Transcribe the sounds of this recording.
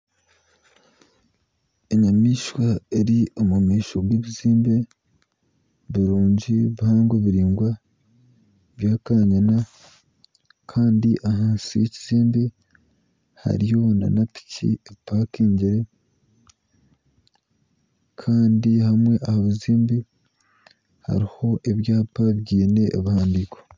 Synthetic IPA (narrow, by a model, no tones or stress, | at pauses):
eɲamiːʃwaeɾiomumiːʃobwiːβuziːmbe̞ | βiɾuːɲɟiβuhaːŋɡweβiɾiːŋɡwa | βjaːkaɲana | kʰaːndiʔaɦaːnsijeciz̥iːmbe | ha̰ɾijona̰napi̥cḭepaːkeːɲɟiɾe̞ | kʰaːndihamwe̞ʔahaβuziːmbi | ha̰ɾiho̞ʔe̞βjaːpaβɟiːne̞ʔːβuhaːndiko̥